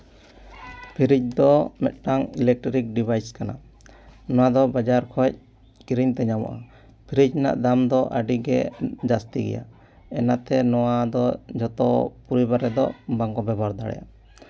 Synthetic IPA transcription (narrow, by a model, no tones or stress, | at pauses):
pʰiɾic̚d̪ɔmɛ̰t̪̚ʈaŋilɛk̚ʈɔɾik̚ɖibʱajskana | nɔwad̪ɔbad͡ʒaɾkʰɔc̚ | kiɾiɲt̪ɛɲamɔ̰ʔa | pʰiɾid͡ʒna̰ʔd̪amd̪ɔʔəɖiɡɛd͡ʒast̪iɡɛ̰ja̰ | ɛnat̪ɛnɔwad̪ɔd͡ʒɔt̪ɔ̰puɾibaɾɛd̪ɔbaŋkɔbɛbaɾd̪aɽɛ̰ja̰